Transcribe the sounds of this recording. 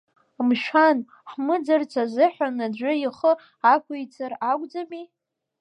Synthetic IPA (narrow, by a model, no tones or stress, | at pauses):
mʃᶣan | ħmɨd͡zart͡sʰazɨħʷᶣanad͡ʒʷʊiχə | akʷʊjt͡sʰaraɡʷʼd͡zami